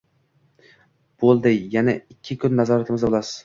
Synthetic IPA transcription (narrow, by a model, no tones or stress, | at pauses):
b̥olˠd̪ɪjanaɪkʲʰːɪkʲʰʊnːazɒɾat̪ʰɪmɪzd̪abolˠasɪ̥